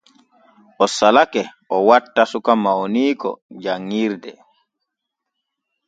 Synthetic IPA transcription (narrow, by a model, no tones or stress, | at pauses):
ʔɔsalakɛʔɔwatːasukamaɔniːkɔ̰d͡ʒaŋːiɾdɛ